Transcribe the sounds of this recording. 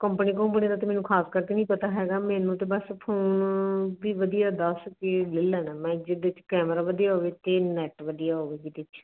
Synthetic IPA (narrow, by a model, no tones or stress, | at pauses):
kəmpəniːkəmpənid̪aːt̪emɛːnũːkʰaːskəɾt̪enĩːpət̪aːɦɛːɡaːmɛ̃ːnũːt̪eːbəspʰoːnbiːʋəd̪ijaːd̪əskelɪlːɛːnãːmɛ̃ːd͡ʒɪd̪ɪt͡ʃkɛːməɾaːʋəd̪ijaːɦoːʋeːt̪eːnɛːʈʋəd̪ijaːɦoːʋeːɡid̪ɪt͡ʃ